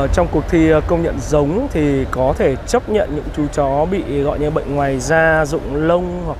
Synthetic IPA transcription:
t͡ɕɔ˧wŋ͡mku˨˩ək̚t̪ʰi˧kə˧wŋ͡mɲə̰˧˨nzə˨˦wŋ͡mt̪ʰi˨˩kɔ˨˦t̪ʰe˧˩t͡ɕə˦˥p̚ɲə̰˧˨nɲɨ̰˧˥ŋt͡ɕu˨˩t͡ɕɔ˨˦ɓḭ˧˨ɣɔ̰˧˨jɲɨ˧ɓə̰˧˨jŋ̟ŋwaː˨˩jzaː˧zʊ̰˧˨ŋ͡mlə˧wŋ͡mhk̚

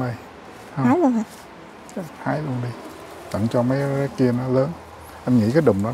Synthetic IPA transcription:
ə˧j | ha˨˦jln˧˨˩ | haː˨˦jlu˧ənɗi˧ | t̪ə̰˧˩˨ŋt͡ɕɔ˧mə˨˦ja˨˦ki˧ənɔ˨˦ləː˨˦n | ʔɛ˧mŋḭ˧˥kaː˨˦jɗʊ̰˨ŋ͡mɗa˨˦

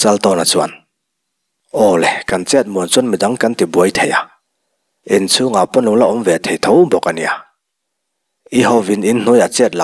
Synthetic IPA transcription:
t͡sɐ˧lt̪ɔ˧˨na˨t͡su˧a˨n | ʔɔː˧˩lɛ˨ka˨nt͡sɛ˦˥t̪̚mu˨˩ənt͡su˦nmi˨da˨˦ŋkɐ˦nt̪i˨bu˨ə˦jt̪ʰe˨ja˨ | ʔɛ˨nt͡sʰu˦ŋa˨wpɔ˥nlʊ˨ŋla˧˨ʔɔ˨˦mvɛ˨t̪ʰe˨jt̪ʰɔ˧˦wbɔ˨kʔa˨ni˨a˨ | ʔi˦hɔ˧vi˨ni˦nn̥u˦ja˨t͡sɛ˦˧t̪̚la̰˨

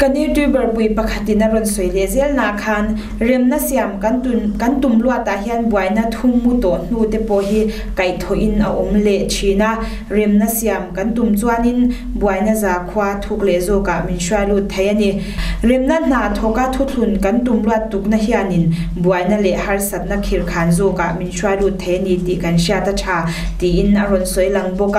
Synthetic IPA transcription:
kɐ˦ni˦t̪u˦jbɛ˨rpu˨jpɐ˧kʰɐ˨t̪i˨nɐ˦rɔ˨nsɔ˨jlɛ˨zɛ˦lna˨ʔkʰa˧˨n | rɛ˨mna˦sia˨mkankɐ˦nt̪u˨mlu˦a˦˨ʔt̪ːa˨hi˦a˥˨nbua˨jnɐ˦t̪ʰu˦mu˦t̪ɔ˨ʔn̥u˧˨t̪ɛ˦˨pɔ˧˨ɦi˦ | kɐ˨jt̪ʰɔ˨ʔi˨nʔɐ̰˨ʔu˨mlɛ˧˨ʔt͡ʃʰi˨na˦˨ | rɛ˨mnɐ˦si˨a˨mkɐ˦nt̪u˨mt͡sua˥˦ni˦˨n | bu˨a˨jna˦zaː˨kʰu˦a˧t̪ʰu˧˦k̚lɛ˨zɔ˧˨ka˨ʔmi˨nsua˥˧jlu˧˨t̪ʰːe˨˦jʔa˦ni˧ | ri˨mna˦˥n̥aː˨t̪ʰɔ˨ka˦t̪ʰu˦t͡ɬʰu˨nkɐ˨˦nt̪u˨mlu˦a˧˨t̪ːu˨k̚nɐ˦ɦi˦a˧ni˨nbu˨a˨jna˦lɛ˨ʔhɐ˦rsɐ˨t̪̚nɐ˦kʰi˨rkʰaː˨nzɔ˧˨ka˨ʔmi˨nʃu˦a˧jlu˧˨t̪ʰːe˨˦ja˧ni˧t̪i˨kɐ˨˦nʃi˦a˧t̪a˦t͡ʃʰaː˨ | t̪i˨ʔi˧˨nɐ˨rɔ˨nsɔ˨˦jlɐ˧ŋbɔ˦ka˨

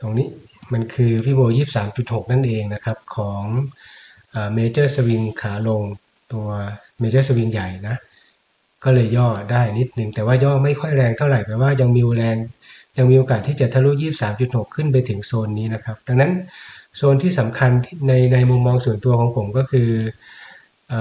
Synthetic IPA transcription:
t̪o˧ŋniː˦˥ | ma˧nkʰɯː˧wiː˦˥˩boː˧jiː˥˩p̚saː˩˦mt͡ɕu˨˩t̪̚ho˨˩k̚na˥˩nʔeː˧ŋna˦˥kʰa˦˥p̚kʰɔː˩˦ŋ | ʔaː˨˩meː˧t͡ɕɤː˥˩sa˧wi˧ŋkʰaː˩˦lo˧ŋ | t̪u˧ɐ | meː˧t͡ɕɤː˥˩sa˧wi˧ŋja˨˩jna˦˥ʔ | kɔː˥˩lɤː˧jːɔː˥˩daː˥˩jni˦˥t̪̚nɯ˧ŋt̪ɛː˨˩waː˥˩jɔː˥˩ma˥˩jkʰɔ˥˩jɾɛː˧ŋt̪ʰa˥˩wɾa˨˩jpɛ˨˩waː˥˩ja˧ŋmiː˧ʔu˧ɾɛː˧ŋ | ja˧ŋmiː˧ʔoː˧kaː˨˩t̪ʰːiː˥˩t͡ɕa˨˩t̪ʰa˧˥˩lu˦˥˩jiː˥˩p̚saː˩˦mt͡ɕu˨˩t̪̚ho˨˩kʰːɯ˥˩np̬a˧jt̪ʰɯ˩˦ŋsoː˧nːiː˦˥na˦˥kʰa˦˥p̚da˧ŋna˦˥nsoː˧nt̪ʰiː˥˩sa˩˦mkʰa˧nʰːa˧jna˧jmu˧mːɔː˧ŋsu˩˦ənt̪u˧ɐkʰɔː˩˦ŋpʰo˨˩˦mkɔː˥˩kʰɯː˧ | ʔaː˨˩

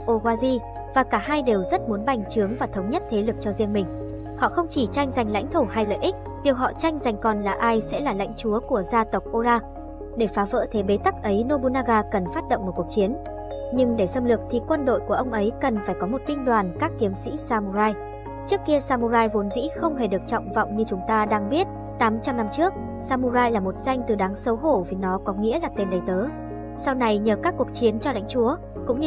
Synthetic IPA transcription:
ʔo˧ɣwaː˧zi˧ | vaː˨˩kaː˧˩haː˧jɗe˨˩wzə˦˥t̚mu˨˦ənɓa˨˩jŋ̟t͡ɕɨ˨˦əŋvaː˨˩t̪ʰə˨˦wŋ͡mɲə˦˥t̚t̪ʰe˨˦lɨ˨˩k̚t͡ɕɔ˧zḭ˧ənmï˨˩ŋ̟ | hɔ̰˧˨xə˧wŋ͡mt͡ɕi˧˩t͡ɕa˧jŋ̟za˨˩jŋ̟la̰˧˥jŋ̟t̪ʰu˧˩ha˧jlə̰ː˧˨ʔi˦˥k̚ | ɗi˨˩əwɦɔ̰˧˨t͡ɕa˧jŋ̟za˨˩jŋ̟kɔ˨˩nlaː˨˩ʔaː˧jsɛ̰˧˥laː˨˩la̰˧˥jŋ̟t͡ɕu˨˦əku˧˩əzaː˧t̪ə˨˩wk͡p̚ʔo˧laː˧ | ɗe˧˩faː˨˦və̰ː˧˥t̪ʰe˨˦ɓe˨˦t̪a˦˥k̚ʔə˨˦jno˧ɓu˧naː˧ɣaː˧kə˨˩nfaː˦˥t̚ɗəo̰˧˨wŋ͡mmo˨˩t̚ku˨˩ək̚t͡ɕi˨˦ən | ɲɨ˧ŋɗe˧˩sə˧mlɨ˨˩ək̚t̪ʰi˨˩kwə˧nɗo̰˧˨jku˧˩əʔə˧wŋ͡mʔə˨˦jkə˨˩nfaː˧˩jkɔ˨˦mo˨˩t̚t̪ï˧ŋ̟ɗwaː˨˩nkaː˦˥k̚t̪i˨˦əmsḭ˧˥saː˧mu˧zaː˧j | t͡ɕɨ˦˥əkːi˧əsaː˧mu˧zaː˧jvo˨˦nzḭ˧˥xə˧wŋ͡mhe˧˨˩ɗɨ˨˩ək̚t͡ɕɔ̰˧˨wŋ͡mvɔ̰˧˨wŋ͡mɲɨ˧t͡ɕʊ˨˦ŋ͡mt̪aː˧ɗaː˧ŋɓi˦˥ət̚ | t̪aː˨˦mt͡ɕa˧mna˧mt͡ɕɨ˦˥ək̚ | saː˧mu˧zaː˧jlaː˨˩mo˨˩t̚z̥a˧jŋ̟t̪ɨ˨˩ɗaː˨˦ŋsə˨˦wɦo˧˩vi˨˩nɔ˨˦kɔ˨˦ŋḭ˧˥əlaː˨˩t̪e˧˩nɗə˨˦jt̪əː˨˦ | sa˧wna˧jɲəː˨˩kaː˦˥kːu˨˩ək̚t͡ɕi˨˦ənt͡ɕɔ˧la̰˧˥jŋ̟t͡ɕu˨˦ə | kʊ̰˧˥ŋ͡mɲ˧

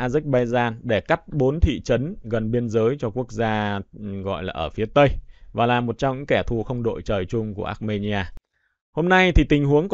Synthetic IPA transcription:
ʔaː˧zɛ˦˥k̚ɓa˧jzaː˧nɗe˧˩ka˦˥p̚ɓo˨˦nt̪ʰḭ˧˨t͡ɕə˨˦nɣə˨˩nɓi˧ənzəː˨˦jt͡ɕɔ˧ku˦˥ək̚zaː˧ɣɔ̰˧˨jlaː˨˩ʔəː˧˩fi˨˦ət̪ə˧jvaː˨˩laː˨˩mo˨˩t̚t͡ɕɔ˧ŋ͡mɲɨ̰˧˥ŋkɛ˧˩t̪ʰu˨˩xə˧wŋ͡mɗo̰˧˨jt͡ɕəː˨˩jt͡ɕʊ˧ŋ͡mku˧˩əʔa̰ː˦˥t̚me˧ni˧aː˧ | ho˧mna˧jt̪ʰi˨˩t̪ï˨˩ŋ̟ɦu˨˦əŋk

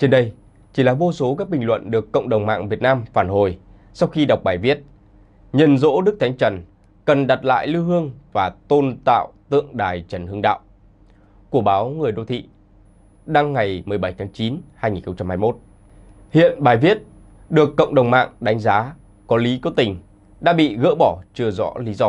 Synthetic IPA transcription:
t͡ɕe˧nɗə˧j | t͡ɕi˧˩laː˨˩vo˧so˨˦kaː˦˥k̚ɓï˨˩ŋlwə̰˧˨nɗɨ˨˩əkːə̰˧˨wŋ͡mɗə˨˩wŋ͡mma̰ː˧˨ŋvi˨˩ət̚naː˧mfaː˧˩nho˨˩j | sa˧wxi˧ɗa˨˩wk͡p̚ɓaː˨˩jvi˦˥ət̚ | ɲə˨˩nzo̰˧˥ɗɨ˦˥k̚t̪ʰa˨˦ŋ̟t͡ɕə˨˩n | kə˨˩nɗa˨˩t̚la̰ː˧˨jlɨ˧wɦɨ˧əŋvaː˨˩t̪o˧nt̪a̰ː˧˨wt̪ɨ̰˧˨əŋɗaː˨˩jt͡ɕə˨˩nhɨ˧əŋɗa̰ː˧˨w | ku˧˩əɓaː˨˦wŋɨ˨˩əjɗo̰˧˩t̪ʰḭ˧˨ | ɗa˧ŋːa˨˩jmɨ˨˩jɓa˧˩jt̪ʰaː˨˦ŋt͡ɕi˨˦nhaː˧jŋi˨˩nxə˧ŋ͡mt͡ɕa˧mhaː˧jmo˦˥t̚ | hḭ˧˨ənɓaː˨˩jvi˦˥ət̚ | ɗɨ˨˩əkːə̰˧˨wŋ͡mɗə˨˩wŋ͡mma̰ː˧˨ŋɗa˨˦ŋ̟zaː˨˦ | kɔ˨˦li˨˦kɔ˨˦t̪ï˨˩ŋ̟ | ɗa̰ː˧˥ɓḭ˧˨ɣə̰ː˧˥ɓɔ˧˩t͡ɕɨ˧əzɔ̰˧˥li˨˦zɔ˧

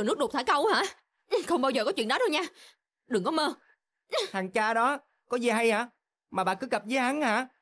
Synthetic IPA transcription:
nɨ˦˥k̚ɗu˨˩t̪ʰaː˧˩jkə˧wha̰ː˧˥ | xə˧wŋ͡mɓaː˧wzəː˨˩kɔ˨˦t͡ɕwḭ˧˨ənɗɔ˨˦ɗo˧ɲaː˧ | ɗɨ˨˩ŋkɔ˨˦məː˧ | ʔta˨˩ŋt͡ɕaː˧ɗɔ˨˦ | kɔ˨˦zə˨˩ɦa˧jhaː˧˩˦ | maː˨˩ɓa̰ː˨kɨ˨˦ɣə˨˩p̚zəː˨˦ɦa˨˦nhaː˧˥

